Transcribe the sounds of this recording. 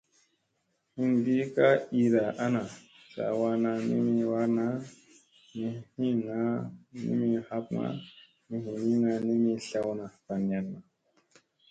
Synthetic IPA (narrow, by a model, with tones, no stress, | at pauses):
hi˦ŋɡi˦ka˦i˦ɾa˨ʔa˦na˨ | sa̰˨wa˧na˧nḭ˦mi˧wa˦ɾna˦ | mi˨hi˦ŋa˨˦nḭ˦mi˧ha˦p̚ŋa̰˦ | mi˨ɦĩ˨ni˦ŋa˧ni˦mi˧ɬa˧˦wna˨pa˨n˨a˨nma˨